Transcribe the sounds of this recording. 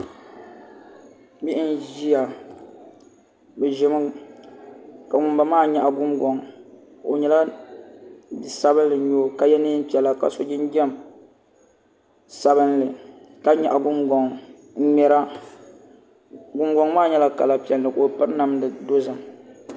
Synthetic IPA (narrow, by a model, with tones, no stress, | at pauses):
bi˦ʔn˦ʒi˦ja˨ | bɛ˨ʒɪ˦mɨ˦ | ka˨ŋʊ˨mba˨maː˦ɲɛ˨ʔa˨ɡʊ˦mɡɔ˨ŋ | o˨ɲɛ˦la˦˨ | sa˦βɨ˦nlɨ˨ɲoː˦˨ka˨jɛ˦nɨ˦m̩˦pi˨˦ɛ˨la˨ka̰˨so˨d͡ʒɪ˦nd͡ʒɛ˦m | sa˦βɨ˦nlɨ˨ | ka˦ɲɛ˨ʔa˨ɡʊ˦mɡɔ˨ŋ˦ | ɲɛ˦ɾa˦ | ɡʊ˦mɡɔ˦ŋmaː˦˨˦ɲɛ˦la˦ka̰˨la˨pi˨ɛ˨llɨ˨ko˨pɨ˦ɾna˨mdɨ˨do˦zɨ˨m